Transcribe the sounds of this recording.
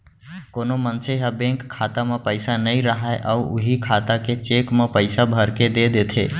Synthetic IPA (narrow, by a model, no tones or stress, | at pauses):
koːnomə̃nseɦabẽːkʰːaːt̪amẽpəɪsanəĩɾəɦaeʔɔuʊ̰ɦikʰaːt̪aket͡ʃeːkmẽpəɪsabʱəɾked̪ed̪eːt̪ʰḛː